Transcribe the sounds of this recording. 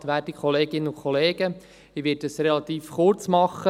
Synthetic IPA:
tʋæːɾd̥ikʰχɔleːɡɪnːəʊkʰχɔleːɡə | iʋɪd̚d̥əsɾɛlɑt̪iːfχʊrt͡smɑχːə

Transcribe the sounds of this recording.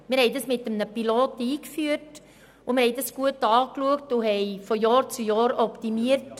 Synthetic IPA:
mɪɾhɛɪdɑsmɪtəmnəpiloːtiːkfyəɾt | ʊmɪɾhɛɪdɑsɡ̥uətɑːkluəktʊɦɛɪfɔjɑːɾt͡sujɑːɾɔptimiəɾt

